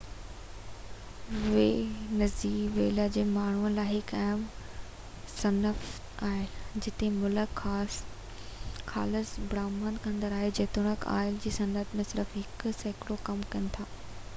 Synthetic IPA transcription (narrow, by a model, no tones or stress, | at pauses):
ʋeːnɐziːʋeːlad͡ʑeːmaːɳ̤uənlaːɪɦɪkaːm | sɐnəf | aːɪld͡ʑɪt̪emʊləkː | kʰa̰ːləsbɽaːmənkʰə̃nd̪əɾaːɦed͡ʑeːt̪ʊɽ̃əka̰ːɪld͡ʑiːsɐnət̪mẽsɪɾəfɦɪksɐɪkɪɽokɐmkɐnɪ̆t̪ʰaː